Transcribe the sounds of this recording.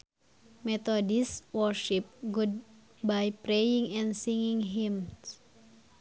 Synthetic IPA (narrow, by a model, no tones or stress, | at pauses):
mɛt̪odiswɔrʃip̚ɡud̚ | bajpɾejiŋɛnsiŋiŋɦim